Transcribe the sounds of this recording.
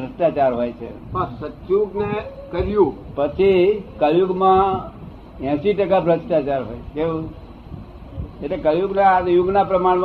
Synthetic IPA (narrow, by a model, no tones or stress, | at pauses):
ɾəsʈat͡ʃaɾɦojt͡ʃʰḛ | pəsətjuɡnekəɾjũpət͡ʃʰikəɾjuɡmã | jɛ̃siʈəkabɾəsʈat͡ʃaɾɦo̰jt͡ʃʰkẽ | eʈlekəɾjuɡnajuɡnapɾəmaɽ̃m